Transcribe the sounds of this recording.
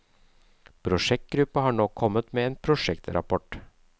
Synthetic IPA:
pʰɾʊʂɛk̚t̪̚ɡɾʉpːəhɑːɳɔːkʰːɔmːət̪meːeːnpʰɾʊʂɛkt̪ɾʔɑ̰pʰɔʈ

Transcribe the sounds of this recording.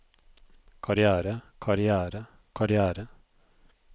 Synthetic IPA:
kʰɑɾɪæːɾəkʰɑɾɪæːɾə | kʰɑɾɪæːɾə

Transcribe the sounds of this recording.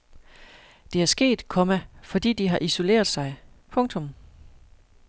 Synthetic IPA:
d̥e̝æɐsɡ̥e̝̰ːd̥kʰɔ̽mæfɒ̽d̥ḭːd̥iɦɑ̈ʔiso̝le̝̰ːɐðˠsɑ̈ɪpʰɔ̽ŋt͡sʰɔ̽m

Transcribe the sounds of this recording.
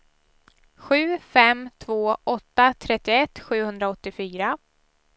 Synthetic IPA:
ɧʉ̟ːfɛmt̪ʰvoːʔɔt̪ːat̪ʰɾɛt̪ːɪɛt̪ːɧʉ̟ːhɵnd̪ɾaɔt̪ːɪfyːɾa

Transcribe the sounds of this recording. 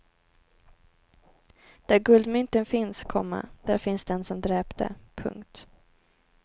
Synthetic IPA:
d̪̥æɾɡɵld̪mʏnt̪ənfɪnskʰɔ̰mːa̰d̪̥æɾfɪnsd̪ɛnsɔmd̪ɾɛːpd̪̥ə̰pʰɵ̰ŋkt̪

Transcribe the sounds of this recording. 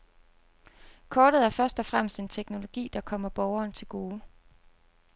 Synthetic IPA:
kʰɒːɾ̥ð̩ˠæɐfɶɐsd̥ɒ̽fʁam̰sd̥e̝nt͡sʰeɡ̥no̝lo̝ɡ̥ḭːd̥ɑ̈kʰɒ̽m̰ɐb̥ɒʊɐːnt͡sʰe̝lɡ̥o̝ː

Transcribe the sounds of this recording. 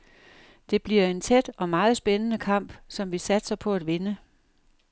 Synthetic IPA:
d̥e̝b̥liɐe̝nt͡sʰed̥ɒ̽mɑ̈ːð̞̩ˠsb̥enənəkʰɑ̈m̰b̥sɒ̽mʋisæd̥sɐpʰɒ̽æd̥ʋe̝nə

